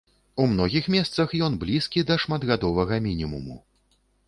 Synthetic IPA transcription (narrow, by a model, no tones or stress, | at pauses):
umnɔɣʲixmʲɛst̪sɐxjɔnblʲiskʲid̪ɐʂmad̪ɣad̪ɔvɐɣɐmʲinʲimṵmṵ